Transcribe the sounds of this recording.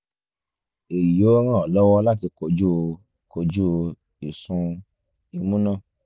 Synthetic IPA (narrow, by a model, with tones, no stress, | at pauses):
e˨ji˨jo˨˦ɾ̃ã˦˨ɔ˨lɔ˦wɔ˦la˦t̬i˧ko˨d͡ʒu˦˧ | ko˨d͡ʒu˦˧ | i˨sũ˧ | i˨mũ˦nã˦˨